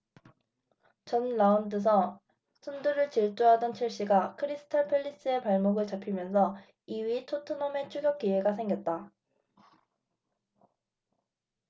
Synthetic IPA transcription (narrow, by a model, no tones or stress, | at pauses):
t͡ɕʌnlaundɯs̬ʰʌ | sʰunduɾɯɭt͡ɕiɭt͡ɕ͈oɦadʌnt͡ɕʰiɭɕ͈iɡakʰɯɾisʰɯ̥tʰʌpʰeʎːis͈ɯe̞paɭmoɡɯɭt͡ɕapʰimjʌnsʰʌ | iɥitʰotʰɯnome̞t͡ɕʰuɡjʌk̚k͈ieɡasʰe̞ŋɡjʌt̚t͈a